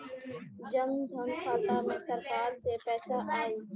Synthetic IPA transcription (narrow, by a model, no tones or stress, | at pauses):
d͡ʒəmd̪ʱənkaːt̪aːmẽːsəɾkaːɾseːpɛːsaːʔaːɦeː